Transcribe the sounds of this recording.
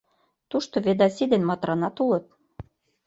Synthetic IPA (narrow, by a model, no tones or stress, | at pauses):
t̪uʃt̪oβed̪ɑsid̪enmɑt̪ɾɑnɑt̪ulɤ̆t̪̚